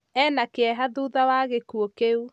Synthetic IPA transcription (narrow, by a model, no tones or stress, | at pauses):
ɛnakeɛɦaðuːðawaɣekuokeu